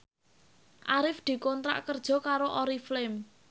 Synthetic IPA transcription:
ʔaɾɪfd̪̥i̤kɔnt̪ɾa̰ʔkərd̥ʒ̥ɔ̤kaɾoʔɔɾiflɪm

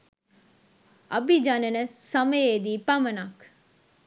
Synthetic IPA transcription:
ʔɐbid͡ʒanənəsɐməjeːd̪iːpamənak

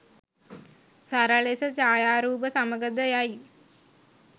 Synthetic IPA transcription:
sɐɾaɭesɐt͡ɕaːjaːɾuːbɐsɐmɐɡɐd̪ɐjaːji

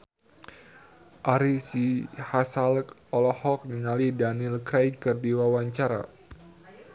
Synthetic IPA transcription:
ʔaɾisihasalkɔlɔhɔk̚niŋalidanilkɾajkərdiwawaɲt͡ʃaɾa̰

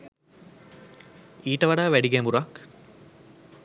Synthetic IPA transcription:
iːʈəʋaɖaːʋæɖiɡæmbuɾɐk

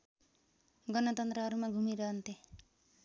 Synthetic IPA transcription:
ɡʌnʌt̪ʌnt̪rʌɦʌɾumaɡʱumiɾʌɦʌnt̪ʰe

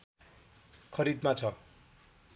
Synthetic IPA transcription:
kʰʌɾid̪mat͡sʰʌ

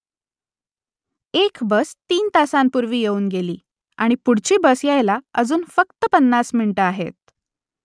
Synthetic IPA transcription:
ekbəst̪iːnt̪asampuɾʋiːjeuːnɡeliː | aɽ̃ipuɽt͡ɕiːbəsjajlaəd͡zuːnfəkt̪əpənːasmiɳiʈəaɦḛt̪̚

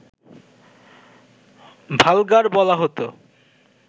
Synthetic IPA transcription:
bʱalɡaɾbɔlaɦot̪o

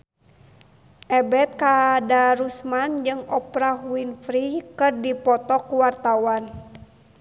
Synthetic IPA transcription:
ʔɛbɛt̪̚kadaɾusmand͡ʒɨŋɔpɾahuwinfɾikɨrdipɔt̪ɔkuwart̪awan

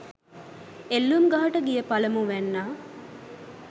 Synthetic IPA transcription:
elːumɡaːɐʈəɡijəpɐlɐmuʋænːaː

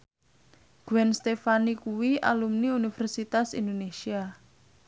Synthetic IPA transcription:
ɡ̥uwɛnst̪efanikuwiʔa̰lumniunifɛrsit̪asḭnd̪onesia

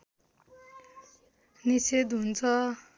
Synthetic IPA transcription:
nised̪ɦunt͡sʰʌ

